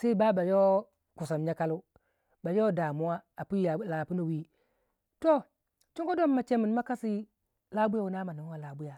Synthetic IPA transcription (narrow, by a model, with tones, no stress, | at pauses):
sa˦i˦ba˦ba˨jo˦ | ku˨sa˨mɲa˦ka˦lu˦ | ba˨jo˦da˨mu˦wa˦a˨pu˦a˨˦la˨pu˦nu˨wi˦ | to˦ | t͡ʃi˦ŋko˦do˦mːa˨t͡ʃe˦mi˨n˦ma˦ka˦si˦ | la˦bu˦ja˨wu˨na˦ma˨nu˨m˦wa˨la˨bu˦ja˨